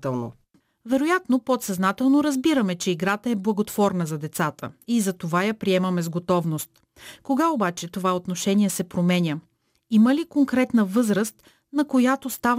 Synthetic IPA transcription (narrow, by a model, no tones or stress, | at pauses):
t̪ɛlˠno̰ | vɛɾojat̪nopot̪sɐznat̪ɛlˠnoɾɐzbiɾəmɛt͡ʃɛiɡɾat̪əɛblˠɐɡot̪vɔɾnəzɐd̪ɛt̪sat̪ə̰izɐt̪ovajɐpɾiɛmɐmɛzɡot̪ɔvnost̪ | koɡaobat͡ʃɛt̪ovaot̪noʃɛnʲiɛsɛpɾomɛnʲə | iməlikoŋkɾɛt̪nəvɤzɾəst̪ | nɐkojat̪ost̪av